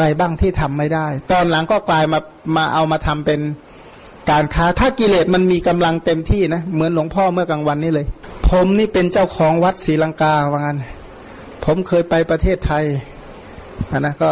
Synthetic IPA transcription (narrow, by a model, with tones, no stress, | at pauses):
ɾa˧jbaː˥˩ŋt̪ʰiː˥˩t̪ʰa˧˨mːa˧˩jda˥˩jt̪ɔː˧˩nla˩˦ŋkɔː˥˩klaː˧jmaː˧ | maː˧ʔa˧wmaː˧t̪ʰa˧mpe˧n | kaː˨˧nkʰaː˧˥˩t̪ʰaː˥˩ki˧leː˧˩t̪̚ma˧nmiː˧ka˧mla˧ŋt̪e˧mt̪ʰiː˥˩na˦˥mɯ˩˦ə˦nlo˧˦ŋpʰɔː˥˩mɯ˥˩ɐkaː˧ŋwa˧nːiː˧˥˩lɤː˧jpʰo˨˦mniː˥˩pe˧nt͡ɕa˥˩wkʰɔː˩˦ŋwa˦˥t̪̚siː˨˦la˧ŋkaː˧waː˧ŋa˧˥n | pʰo˩˦mkʰɤː˧jpa˧jpɾa˧t̪ʰeː˥˩t̪ʰːa˧j | ʔa˧˩na˧˥kɔː˥˩